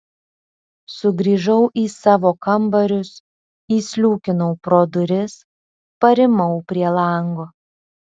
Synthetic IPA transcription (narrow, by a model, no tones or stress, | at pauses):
sʊɡɾʲiːʒɐʊʔiːsɑːʋoːkɐmbɐɾʲʊs | iːsʲlʲuːkʲɪnɔʊpɾoːd̪ʊɾʲɪs | pɐɾʲɪmɐʊpʲɾʲiɛlˠɑˑŋɡoː